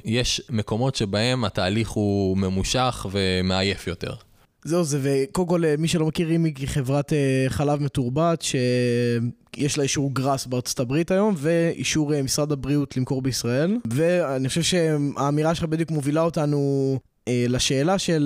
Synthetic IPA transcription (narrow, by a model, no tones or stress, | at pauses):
jeʃmeko̞mo̞tʃebahe̞mataːliχume̞muʃaχve̞meaje̞fjo̞t̪e̞̰ʁ | zeuzevekolko̞lmiʃelo̞makiʁimikiχe̞vʁateχalavmetuʁbatʃe̞ | jeʃlaiʃuʁɡʁasbeaʁt͡sotabʁitajo̞mve̞ḭʃuʁemisʁad̪abʁiutlimko̞ʁbeisʁae̞lve̞aniχoʃvʃe̞aːmiʁaʃelabed̪jukmovilao̞tanu | elaʃe̞ːlaʃe̞l